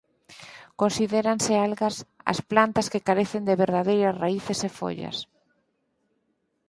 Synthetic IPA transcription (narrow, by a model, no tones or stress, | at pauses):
konsiðeɾansɪalɣɐsɐ̰splant̪ɐskɪkaɾeθɪnd̪eβeɾðaðejɾɐsraiθesefo̰ʎɐ̰s